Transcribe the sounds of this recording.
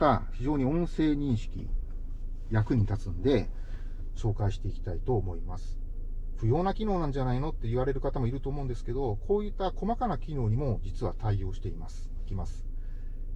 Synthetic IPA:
t̪açiʑo̞ːɲ̟iõ̞ɰ̃se̞ːɲ̟ĩɰ̃ɕi̥kʲḭ | jakɯ̟ɲ̟it̪at͡sɨ̃nd̪e̞ | ɕo̞ːkaiɕi̥t̪e̞ikʲi̥t̪ait̪o̞ːmo̞imasɨ̥ | ɸɯ̟jo̞ːnakʲino̞ːnãɲ̟d͡ʑanaino̞t̪ːe̞iβaɾe̞ɾɯ̟kat̪amo̞iɾɯ̟t̪o̞ːmoɯ̃nd̪esɨ̥ke̞d̪o̞kʰo̞ːjit̪ːako̞makanakʲino̞ːɲ̟imo̞d͡ʑit͡sɨβa̰t̪aio̞ːɕi̥t̪eimasɨ̥i̥kʲimasɨ̥

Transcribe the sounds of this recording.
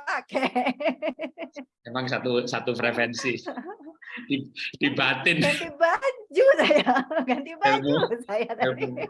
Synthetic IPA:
akɛ | memaŋsat̪usat̪upɾefɛnsi | didibat̪ɪnɡant̪ibad͡ʒusajaɡant̪ibad͡ʒusajat̪ai

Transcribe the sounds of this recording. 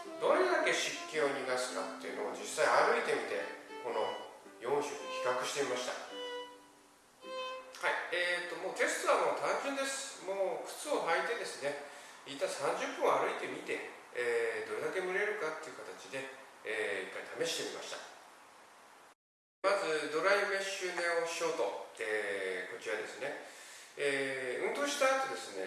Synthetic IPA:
d̪o̞ɾe̞d̪ake̞ɕikʲːo̞ːɲʲinasɨ̥ka̰t̪ːe̞jɯ̟no̞o̰d͡ʑisːaiaɾɯ̟it̪e̞mʲit̪e̞̰ko̞no̞̰jõ̞ɰ̃ɕookʲi̥kakɯ̟ɕi̥t̪e̞imaɕi̥t̪a̰ | haiet̪ːo̞moːt̪e̞sɨ̥t̪oɾamoːt̪ãɲ̟d͡ʑɨ̃nd̪e̞sɨ̥moːɸɯ̟̥t͡sɨoɦait̪e̞d̪e̞sɨne̞ | it̪ːaisãɲ̟d͡ʑɨpːɯ̟̃ɰ̃aɾɯ̟it̪e̞mʲit̪e̞ | d̪o̞ɾe̞d̪ake̞mɯ̟ɾe̞ɾɯ̟kat̪ːe̞iɯ̟kat̪at͡ɕid̪e̞ː | ikːaɾit̪ʰame̞ɕi̥t̪e̞mʲima̰ɕi̥t̪ḁ | mazɨd̪o̞ɾaime̞ɕɨːmeoɕio̞ːt̪o̞eːko̞t͡ɕiɾad̪e̞sɨne̞ | eːɯ̟̃nt̪o̞ːɕi̥t̪at̪ːo̞d̪e̞sɨne̞̰

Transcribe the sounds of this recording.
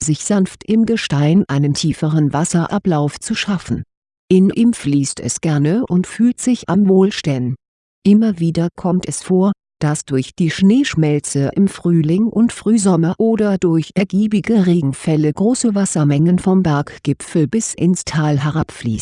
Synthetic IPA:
z̥ɪçz̥anftɪmɡəʃtaɪnʔaɪnəntʰiːfəʁənvasɐʔaplaʊft͡suʃafn̩ | ʔɪnʔiːmfliːstɛ̰sɡ̥ɛɐnəʔʊntfyːltz̥ɪça̰mvoːlʃtɛn | ʔɪmɐviːdɐkʰɔmtɛsfoːɐ | d̥asd̥ʊɐçd̥iːʃneːʃmɛlt͡səʔɪmfʁ̥yːlɪŋʔʊntfʁ̥yːzɔmɐʔoːdɐdʊɐçʔɛɐɡiːbɪɡəʁeːɡŋ̩fɛləɡʁoːsəvasɐmɛŋənfɔmbɛɐkɡ̥ɪpfl̩bɪsʔɪ̰nstʰaːlɦɛʁapflḭːst

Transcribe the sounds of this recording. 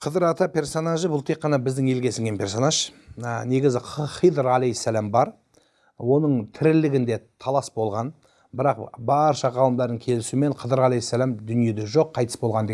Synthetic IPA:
qʰəd̪əɾɑt̪ɑpʰʲe̞ɾso̞naʒəbʊlˠt̪ʰe̞kqːɑnɑbɪzd̪ɪŋe̞lɡʲe̞sɪŋɡʲempʰʲe̞ɾso̞naʒne̞ɡʲɪzɪχijd̪əɾælejsːælambɑɾ | wo̞nəɴt̪ʰɪɾɪlɪɡʲɪnd̪e̞t̪ʰɑlˠɑsbo̞lˠʁɑn | bɪɾɑqbɑɾʃɑʁɑlˠəmd̪ɑɾd̪əɴkʲʰe̞lɪsume̞ɴqʰəd̪əɾɑlejsːælæmd̪ʏnije̞d̪e̞ʒo̞qʰːɑjt̪ə̥sbo̞lˠʁɑnd̪e

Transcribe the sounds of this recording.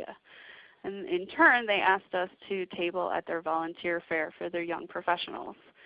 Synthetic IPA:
ɨ̰ | ɨ̃nɪ̃ntʰɜ̃˞nðeɪʔæs̚tʌstʰɨtʰeɪbl̩ˠə̰t̪̚ðə˞vɑlˠə̃ntʰɪɹfɛɹfə˞ðə˞jʌ̰̃ŋpʰɹ̥ɨfɛʃənl̩ˠz̥

